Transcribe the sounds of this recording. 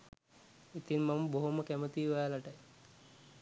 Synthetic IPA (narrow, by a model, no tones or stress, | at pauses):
it̪iŋmaməboɦoməkæmət̪iːʋajalaʈəj